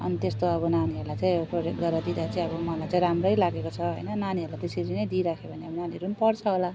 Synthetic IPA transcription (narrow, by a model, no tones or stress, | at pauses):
ʌ̰nit̪est̪oʌbʌnaniʌɾulajt͡sãĩprod͡ʑek̚ɡʌɾʌd̪id̪at͡sãĩʌbʌmʌlajt͡sãj̃ɾamrʌjlaɡekot͡sʰʌɦojnʌnaniɦʌɾulajt̪eseɾinʌjd̪iɾakʰebʱʌneʌbʌnaniɦʌɾunipʌrt͡sʰʌɦola